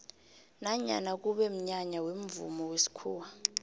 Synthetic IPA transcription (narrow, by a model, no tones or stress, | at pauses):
naɲa̰nak̬uɓɛm̩ɲaɲawemvṵmɔwesi̥kʰuːwa